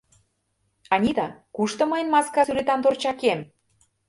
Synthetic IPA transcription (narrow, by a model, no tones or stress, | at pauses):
ɑnʲid̪ɑkuʃt̪ɤ̆məjənmɑskɑsyɾet̪ɑnt̪ort͡ɕɑkem